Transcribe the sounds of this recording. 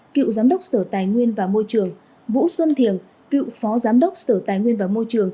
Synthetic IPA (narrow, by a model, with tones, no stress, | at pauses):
kḭ˧˨wzaː˨˦mɗə˦˥wk͡p̚səː˧˩t̪aː˨˩jŋwi˧ənvaː˨˩mo˧jt͡ɕɨ˨˩əŋ | vṵ˧˥swə˧nt̪ʰi˨˩ən | kḭ˧˨wfɔ˨˦zaː˨˦mɗə˦˥wk͡p̚səː˧˩t̪aː˨˩jŋwi˧ənvaː˨˩mo˧jt͡ɕɨ˨˩əŋ